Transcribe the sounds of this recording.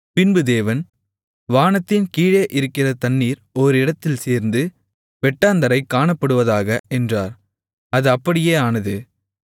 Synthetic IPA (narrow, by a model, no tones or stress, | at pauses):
pɪnbɯd̪eːʋɐn | ʋaːnɐt̪ːɪnkiːɻɐʔɪɾɯkːɪrɐt̪ɐnːiːɾɔɾɯɪɽɐt̪ːɪlseːɾnd̪ɯ | ʋɛʈːaːnd̪ɐɾɐɪkːaːɳɐpːɐɽɯʋɐðaːɣɐʔɛndra̰ːɾ | ɐðɯɐpːɐɽɪjeːaːnɐðɯ